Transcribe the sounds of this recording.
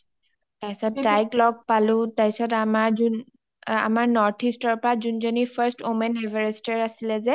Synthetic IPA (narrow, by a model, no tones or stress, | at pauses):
tajsɔtdajklɔɡ̚palʊ̃tajsɔtamaɹzun | a̰maɹnɔɹtʰistɔɹpɔɹazunzɔnipʰaɹstomɛnɦɛvɛɹɛstɛɹasilɛzɛ